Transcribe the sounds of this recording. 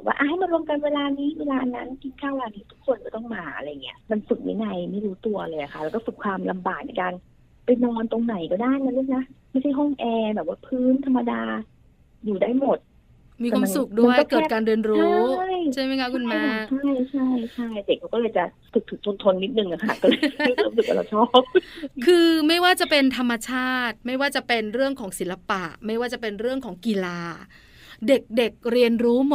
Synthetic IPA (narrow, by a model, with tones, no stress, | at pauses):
bɔɔ˨˩pwa̰ː˥˩ʔa˧ha˥˩ma˧nɾu˧əmka˧nweː˧laː˧niː˦˥weː˧laː˧na˦˥nki˧nkʰaː˥˩weː˧laː˧niː˦˥t̪ʰu˦˥kʰːo˧nkɔː˥˩t̪ɔ˥˩ŋmaː˧ʔa̰˧ɾa˧jːa˨˩ŋːi˦˥ɐma˧nfɯ˨˩k̚na̰˧˥jna˧˩jma˥˩jɾuː˦˥t̪u˧ɐlɤː˧jʔa̰˨˩kʰa˦˥ʔlɛː˦wkɔː˥˩fɯ˨˩kʰwaː˧mla˧mbaː˨˩t̪̚nɛ˧jkaː˧n | pa˧jnɔː˧nt̪o˧ŋna˨˩˦jkɔ˥˩daː˥˩jka˧nlu˥˩na˦˥ma˥˩jt͡ɕʰa˥˩jɦɔ˥˩ŋʔɛː˧bɛː˨˩p̚waː˥˩pʰɯː˦˥nt̪ʰa˧mːa˧daː˧ | juː˨˩daː˥˩jmo˨˩t̪̚ | mi˧ka˩a˧su˨˩kk̚du˥˧˩kɔ˩˥˩kːʰɛː˥tkaː˧nɾi˧ənɾut͡ɕʰa˦˥˩jt͡ɕʰa˥˩jma˥˩kʰa˦˥ku˧nmɛː˧˦˥t͡ɕʰa˥˩jt͡ɕʰa˥˩jt͡ɕʰa˥˩jde˨˩k̚ʰːa˦wkɔ˥˩lɤː˧jt͡ɕa˨˩t̪ʰɯ˨˩k̪̚ʰɯ˩˦ŋ̚ʰo˧nt̪ʰo˧nːi˦˥t̪̚nɯ˨˩ŋna˨˦˩kʰa˥˩kɔ˥˩lɤː˧t͡ɕjɤː˥˩msɯ˨˩k̚wa̰˧la̰˧˩t͡ɕʰɔː˥˩p̚kʰɯː˧ma˥˩jwaː˥˩t͡ɕa˨˩pe˧nt̪ʰa˧mːa˧t͡ɕʰaː˥˩t̪̚ma˥˩jwaː˥˩t͡ɕa˨˩pe˧nɾɯ˥˩əŋkʰɔː˩˦ŋsi˨˩˦la˧pa˨˩ʔma˥˩jwaː˥˩t͡ɕa˨˩pe˧nɾɯ˥˩əŋkʰɔː˩˦ŋki˨˧laː˧ | de˨˩k̚de˨˩k̚ɾi˧ənɾuː˦˥mo˨˩